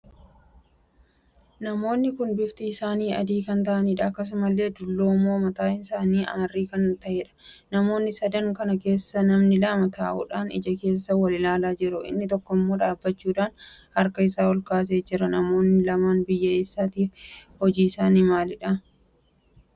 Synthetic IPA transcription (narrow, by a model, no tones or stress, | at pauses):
nɐmo̞ːnːɪkʊnbɪft̪ɪɪsaːniːɐ̰d̪iːkɐnt̪ɐʔɐniːᶑɐːkːɐs̬ʊmɐlːe̞ːd̪ʊlːoːmːo̞ːmɐt̪aːɪnsaːniːaːrːiːkɐnt̪ɐʔeːᶑɐ̥ | nɐmo̞ːnːɪsɐd̪ɐŋkɐnɐke̞ːsːɐnɐmnɪlɐmɐt̪aːʔṵːᶑaːnɪ̰d͡ʒɐke̞ːsːɐwɐlɪlaːlaːd͡ʒɪɾʊɪ̰nːɪt̪ɔkːɔɪmːo̞ːᶑaːbːɐt͡ʃːuːᶑaːn | hɐɾkɐɪsaːwɐlkaːs̬eːd͡ʒɪɾɐnɐmo̞ːnːɪlɐmaːnbɪjːɐeːsːaːt̪iːfhɔd͡ʒiːɪsaːniːmaːlɪᶑɐ